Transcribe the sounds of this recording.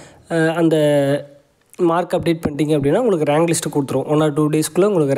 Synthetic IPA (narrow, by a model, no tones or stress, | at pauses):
ɐnd̪ɐ | maːɾkɐp̚ɖeːʈ̚pɐɳɖiːŋɡɐp̬ːɐɽɪnːaːʊŋɡɐɭɯkːɯɾaːŋɡlɪsʈɯkɔɽɯt̪ːɯɾõːʋɐnːaːɾʈːuːɖeːskɯlːɐʊŋɡɐɭɯkːɯɾ